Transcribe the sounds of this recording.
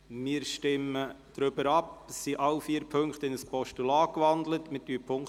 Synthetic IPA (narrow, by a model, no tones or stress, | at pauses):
mɪːɾʃtɪmə | d̥ɾʏbəɾɑpssiʔɑlfiːəɾpʰɵŋktɪnəspɔʃtulɑːkʋɑnd̪lətmɪtdyːpʰʊŋ